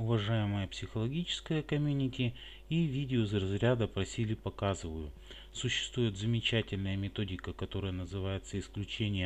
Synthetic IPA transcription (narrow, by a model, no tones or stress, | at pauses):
ʊvɐʐajɪməjəpsʲɪxəlˠɐɡʲit͡ɕɪ̥skəjəkɐmʲunʲɪtʲɪ | ivʲidʲɪozrɐzɾʲad̪əpɾɐsʲilʲɪpɐkazɨvəjʊ | sʊɕːɪ̥st̪vujɪt̪zəmʲɪt͡ɕætʲɪlʲnəjəmʲɪt̪o̞dʲɪkəkɐt̪o̞ɾəjənəzɨvajɪt̪səɪsklʲʉt͡ɕenʲɪjə